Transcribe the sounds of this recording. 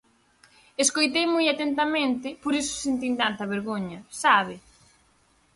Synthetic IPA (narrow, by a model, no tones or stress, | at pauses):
eskojt̪ejmojat̪ent̪ɐmẽnt̪ɪpoɾisʊ̥sent̪int̪ant̪ɐβeɾɣoɲɐsaβɪ